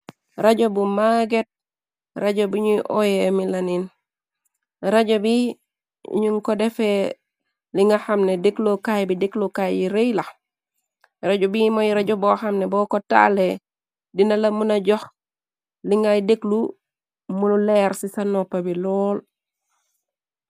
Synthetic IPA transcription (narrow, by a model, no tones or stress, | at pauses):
ɾaɟobumaɡet̚ | ɾaɟobuɲuʔojemilanin | ɾaɟobḭ | ɲuŋkodefe | liŋɡaxamnedeklokajbidiklokajjiɾejla | ɾaɟobimojɾaɟoboxamnebɔkota̰le | dinalamunaɟɔx | liŋɡajdeklu | munuleɾsisanopːabilɔːl